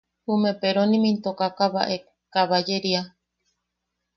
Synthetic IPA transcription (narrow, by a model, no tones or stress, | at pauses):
humepeɾonĩmĩnt̪okakaβa̰ʔe | kaβad͡ʒeɾia